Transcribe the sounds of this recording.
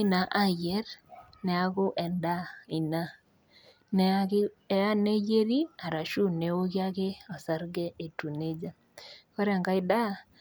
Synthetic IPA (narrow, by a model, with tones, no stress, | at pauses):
ɪ˦na˨ʔa˦jɛ˦rnɛ˨a˦ɡʊ˦ʔɛ˨nda˦i˨na˦ | nɛ˨˦ | ɛ˦a˦ne˦d͡ʒe˦ɾi˦a˨ɾa˨ʃu˦ne˨wo˦ɡɪ˦a˦ɡɪ˦ɔ˨sa˦ɾɡɛ˦e˨tu˨ne˦d͡ʒa˦ | kɔ˦ɾɛ˦a˨ŋɡa˦ɪ˦da˦